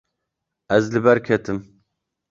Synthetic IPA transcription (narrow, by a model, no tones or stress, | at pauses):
ɛzlɨbɛɾkʲʰɛt̪ʰɨm